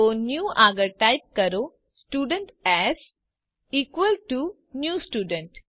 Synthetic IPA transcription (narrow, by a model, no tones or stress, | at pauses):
onjuːʔaːɡəɾʈaɪp̚kɐɾo | sʈuːɖəɳʈɛz | iːkʋəlʈu | njuːsʈuːɖə̃ɳʈ